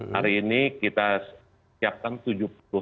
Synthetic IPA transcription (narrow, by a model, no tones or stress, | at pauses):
ha̰ɾiːnikit̪a | siap̚kant̪ud͡ʒuplʊ